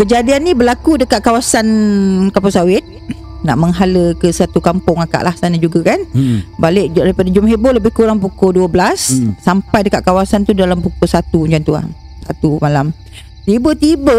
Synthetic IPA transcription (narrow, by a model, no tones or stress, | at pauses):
kəd͡ʒadianːĩbəlakudəkat̪̚kawasankampʊŋsawɪt̪̚na̰ʔməŋɦaləkəsat̪ukampʊŋaka̰ʔlahsanad͡ʒuɡakanbalɪʔdaɾipadad͡ʒʊmɦeboləbɪhkuɾaŋpukoduəbəlasːampajdəkaʔ̪̚kawasant̪udalampukʊsat̪uɲd͡ʒant̪ua̰h | sat̪umalam | t̪ibət̪ibə